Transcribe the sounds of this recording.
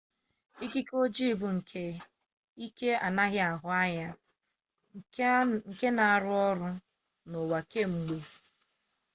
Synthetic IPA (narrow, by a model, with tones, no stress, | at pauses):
i˦ki˦ko˦d͡ʒi˦˨bʊ˨ŋ̩˨kʰe˦ | i˦ke˦a˨na˦ɣɪ˦a˨ɦʊ˨a˦ɲa˦˨ | ŋ̩˨ke˦na˨a˨ɾʊ˦ɔ˦ɾʊ˦ | no˨wa˨ke˦ŋ͡m̩˨ɡ͡bo˨